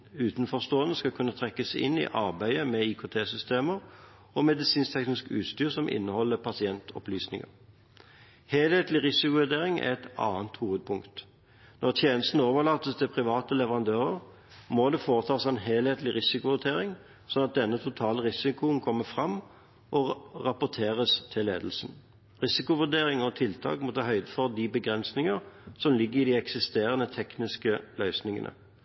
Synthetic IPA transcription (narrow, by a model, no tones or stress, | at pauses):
ʉːt̪nfɔʁst̪oːənəskɑkʰʉnːət̪ʰʁɛkːəsɪ̰nːɪ̰ʔɑʁbæɪəmɛikʰʊt̪ʰeːsʏst̪eːməʁ | ɔmɛd̪ɪsiːnst̪ʰɛknɪskʉ̰ːt̪st̪yːʁsɔmʔɪ̰nːəhɔlːəpʰɑsɪɛnt̪ʰɔ̰plyːsnɪ̰ŋə̰ʁ | hɛːlheːt̪lɪʁɪsɪkʊʋæd̪eːʁɪŋæ̰ʁɛt̪ɑ̰ːənt̪huːəd̪̚pʰʊŋkt̪ | nʔɔʁt̪ʰjeːnəst̪nəoːʋəʁlɑːt̪əst̪ʰɪlpʰʁɪʋɑːt̪əlɛʋəʁɑnd̪øːʁəʁ | mɔd̪ɛfoːʁət̪ʰɑːsɛnɦeːlheːt̪lɪʁɪsɪkʊʋʉʁt̪ʰeːʁɪŋ | sɔnɑt̪̚d̪ɛnːət̪ʰʊt̪ʰɑːləʁɪsɪkʊənkʰɔmːəfʁɑm | ʔɔʁɑpʊʁt̪ʰeːʁəst̪ʰɪlːḛːd̪l̩sn | ʁɪsɪkʊʋʉd̪eːʁɪŋɔt̪ʰɪlt̪ʰɑ̰ːkmɔt̪ʰɑːɦœʏd̪əfɔʁd̪ibəɡʁɛnsnɪŋəʁsɔmlɪɡːəʁɪd̪iɛksɪst̪eːʁənət̪ʰɛknɪskəlœʏsnɪŋə̰nʔə̰